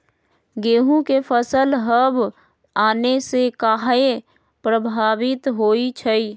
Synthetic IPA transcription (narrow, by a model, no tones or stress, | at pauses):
ɡeːɦũkepʰəsəlɦəb | aːnesekaɦe | pɾəbʱaːʋɪt̪ɦoːit͡ʃʰəi